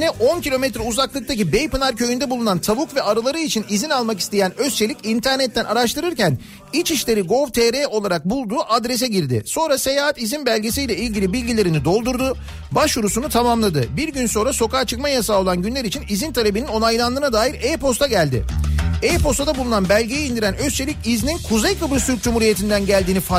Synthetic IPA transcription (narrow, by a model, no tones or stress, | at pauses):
nɛʔo̞ncʰilʲo̞mɛt̪ɾɛuzaklˠɯk̚t̪ʰacibejpɯnaɾcʰø̞jynd̪ɛbulˠunant̪ʰaβukvɛaɾɯlˠaɾɯit͡ʃʰinizinalˠmaki̥st̪ejænøst͡ʃʰe̞lʲicint̪ʰæɾnɛt̪ːænʔaɾaʃt̪ɯɾɯɾcæn | it͡ʃiʃlʲe̞ɾiɡo̞vt̪ʰeɾeo̞lˠaɾak̚bulˠd̪uːʔad̪ɾes̬ɛɟiɾd̪ɪ̰so̞nɾase̞jaːɦat̪izinbælʲɟe̞sijlʲɛilʲɟʲilʲibilʲɟʲilʲe̞ɾinid̪o̞lˠd̪uɾd̪u | baʃjuɾusunut̪ʰamamlˠad̪ɯbiɾɟynso̞nɾaso̞kaːt͡ʃʰɯk̚majasaolˠanɟynlʲæɾit͡ʃʰinizint̪ʰalʲe̞binino̞najlˠand̪ɯːnad̪aːjiɾepo̞st̪ʰaɟælʲd̪ɪ̰ejpo̞st̪ad̪abulˠunanbælʲɟejɛind̪iɾænø̞st͡ʃʰe̞lʲicizninkʰuzejkʰɯbɾɯt̪ʰyɾc̚d͡ʒumhuɾije̞t̪ʰind̪ænɟælʲd̪iːnifa